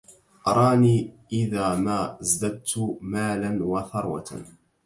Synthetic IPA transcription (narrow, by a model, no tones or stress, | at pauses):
ʔɑɾˤɑːniːʔɪðaːmaːzd̪ad̪̚t̪ʊmaːlanwaθɑɾˤwa̰t̪a̰